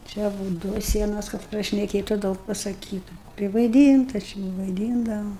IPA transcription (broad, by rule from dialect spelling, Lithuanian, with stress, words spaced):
ˈt͡ʃʲɛ buːt ˈduɔ ˈsʲiɛnoːs kɐt prɐʃʲnʲɛˈkʲeːtʊ ˈdɐʊk pɐsɐˈkʲiːtʊ pʲrʲɪʋɐɪˈdʲiːntɐ ˈt͡ʃʲɪ ʋɐɪˈdʲiːndɐʋoː